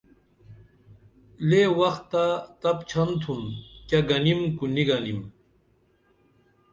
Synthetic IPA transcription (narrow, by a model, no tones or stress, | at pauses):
lewɐxt̪ːat̪ɐpt͡ɕʰɐnt̪ʰunkɐɡɐnimkuniɡɐnim